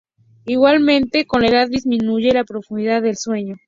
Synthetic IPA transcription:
iɣwalmẽ̞nt̪e̞ko̞nlaeðaðːizmĩnuʝe̞lapɾo̞fund̪iðaðːelswe̞ɲo̞

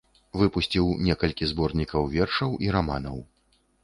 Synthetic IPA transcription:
vɨpusʲt͡sʲiwnʲɛkɐlʲkʲizbɔrnʲikɐwvʲɛrʂɐwʔiɾamanɐ̰w

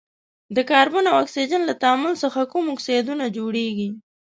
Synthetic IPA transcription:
d̪əkɑɾbanawaksid͡ʒanlat̪aːmʊlsəxakumʊksid̪unad͡ʒoɽeɡi

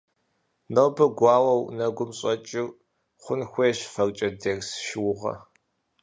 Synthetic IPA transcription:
nɐwbɨɡʷɑːwɐwnɐɡʷʊmɕʼɐt͡ʃʼɪr | χʷʊnxʷeːɕfɐrt͡ʃʼɐdersʃɪwʊʁɐ̰

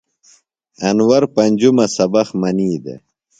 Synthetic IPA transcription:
ɐnwɐɾpɐnʲd͡ʑumɐsɐbɐxmɐniːd̪ḛ

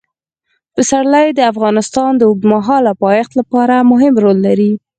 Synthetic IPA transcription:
pəsaɽlajd̪əafɣɑnɪst̪ɑnd̪əʊɡ̚d̪maɦɑlapɑjɪxt̪lapɑɾamʊɦɪmɾolːaɾi

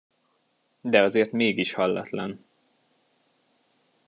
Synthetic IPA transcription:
d̪ɛɒzeːrt̪meːɡiʃhɒlːɒ̰t̪lɒn

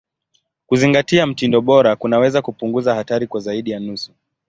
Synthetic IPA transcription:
kuziŋɡatiam̩tindɔɓɔɾakunawɛzakupuŋɡuzahataɾikwazaiɗijanusu

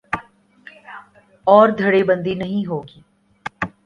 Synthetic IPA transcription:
ɔːɾd̪ʱɐɽebɐ̃nd̪inɐɦĩɦoːɡiː

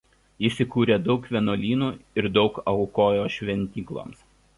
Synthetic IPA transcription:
isʲɪkuːɾʲeːd̪ɒʊkʋʲɛnoːlʲiːnuːɪɾd̪ɒʊkɐʊkoːjoːʃʲʋʲɛnʲt̪ʲiːklˠo̰ːms

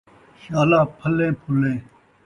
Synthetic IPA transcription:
ʃaːlãːpʰəlẽːpʰʊlẽː

